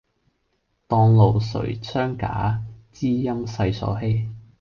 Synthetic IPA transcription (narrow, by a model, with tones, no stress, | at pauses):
t̪ɔː˧ŋlo˨wsɵ̰˨˩ɥt͡sʰœː˥ŋka̰ː˨˥t͡siː˥jɐ˥msɐ˧jsɔ̰ː˨˥ɦe˥j